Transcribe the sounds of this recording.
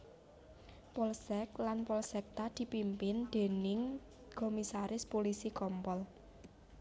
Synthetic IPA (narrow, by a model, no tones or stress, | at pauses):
pɔlsɛklanpɔlsɛk̚t̪ad̪̥i̤pimpɪnd̪̥e̤nɪŋ | komisaɾɪspolisikɔmpɔl